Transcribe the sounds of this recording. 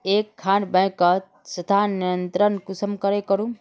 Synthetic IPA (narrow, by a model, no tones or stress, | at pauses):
ekʰːanbə̃ɪ̃kət̪ | sət̪ʰanijjənt̪ɾənkusəmkəɾekəɾũ